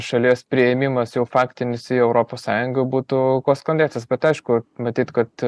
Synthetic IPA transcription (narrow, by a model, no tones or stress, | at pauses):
ʃɐlʲiɛspʲɾʲɪɛmʲɪmɐsjɛʊfɑːkt̪ʲɪnʲɪsɪɛʊɾoːpoːssɑːjʊŋɡɐbuːt̪ʊkoːskonʲd̪ʲæːtt͡s̪ʲːsbʲɛt̪ɐɪʃkʊmɐt̪ʲiːt̪kɐt̪